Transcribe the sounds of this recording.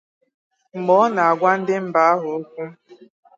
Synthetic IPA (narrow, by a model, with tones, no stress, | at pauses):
m̩˨mɔ˨˦na˨a˨ɡʷa˦n̩˦dɪ˦m̩˦ba˦a˦ɦʊ˨o˦kʷu˦